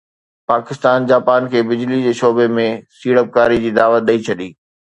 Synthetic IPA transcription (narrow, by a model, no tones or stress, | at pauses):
paːkɪst̪aːnd͡ʑaːpaːnkʰeːbɪd͡ʑlid͡ʑeːʃoːbemẽsiːɽəp̚kaːɾid͡ʑiːd̪aːʋət̪̚ɗɐit͡ɕʰɐɗiː